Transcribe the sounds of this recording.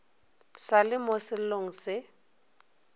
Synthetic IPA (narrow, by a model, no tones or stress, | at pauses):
salɪmosɪl̩loŋ̩sɪ